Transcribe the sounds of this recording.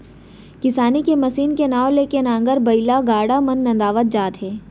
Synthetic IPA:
kɪsaːnikemɐsiːnkenaːolekenãːŋ̆ɡəɾbɐɪlaɡaːɽamɐnːɐ̃nd̪aːʋət̪̚d͡ʒaːt̪ɦɛː

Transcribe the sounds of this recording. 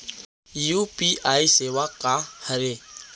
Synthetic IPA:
juːpiːʔaːiseːʋakahəɾeː

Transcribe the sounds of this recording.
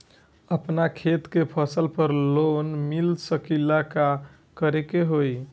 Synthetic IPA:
əpnakʰet̪kepʰəsəlpəɾlonmilsəkilaka | kəɾekeɦoj

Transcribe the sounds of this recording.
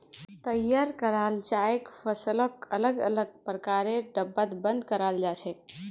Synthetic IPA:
t̪əjːaːɾkəɾaːld͡ʒaːekfʰəsələkələɡələɡ̚pɾəkaːɾeɖəbːət̪bə̃nd̪̚kəɾaːld͡ʒaːt͡ʃʰɛ

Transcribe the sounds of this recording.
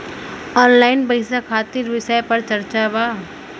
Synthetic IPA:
ɔːnlaːɪnbɐɪsakʰaːt̪iɾʋɪsəjpɐɾt͡ʃɐɾt͡ʃaʋaː

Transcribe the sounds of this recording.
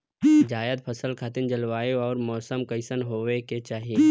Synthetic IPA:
d͡ʒaːjəd̪̚pʰɐsəlkʰaːt̪ɪnd͡ʒɐlʋaːjoɔːɾmɔːsəmkɐɪsənɦoːʋeket͡ʃaːɦije

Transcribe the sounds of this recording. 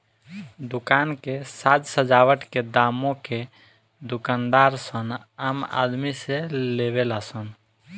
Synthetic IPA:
d̪ukankesad͡ʒsəd͡ʒawəʈked̪amõke | d̪ukand̪aɾsən | ama̰d̪miseleβelasən

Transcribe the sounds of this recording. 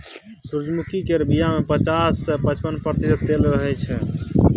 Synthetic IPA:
suɾd͡ʒmukikeɾbijamepət͡ʃasːepət͡ʃpənpɾət̪isəd̪t̪elɾəɦɛt͡ʃʰɛ

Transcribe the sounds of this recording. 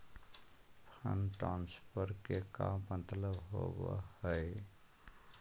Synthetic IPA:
pʰənʈanspəɾkekamːənt̪ləbɦo̰bə̰həj

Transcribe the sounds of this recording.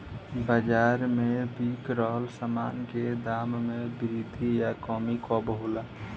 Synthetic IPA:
bəd͡ʒaːɾmẽbiːkɾɔːɦlsəmaːnked̪aːmːẽbɪɾid̪ʱijakɔːmikɔbəɦulaː

